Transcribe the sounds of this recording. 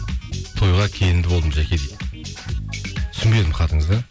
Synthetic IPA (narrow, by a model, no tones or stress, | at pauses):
t̪ʰo̞jʁɑkʲʰe̞jɪnd̪ɪbo̞lˠəmʒækʲe̞d̪ejd̪ɪ | t̪ʰʏ̥sɪnbe̞d̪ɪmqʰɑt̪əɴəzd̪ə